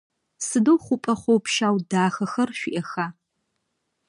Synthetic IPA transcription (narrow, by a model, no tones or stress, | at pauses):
sɨdowχʷʊpʼɐχʷowpʰʃaːwdaːxɐxɐrʃᶣʷʊʔɐxaː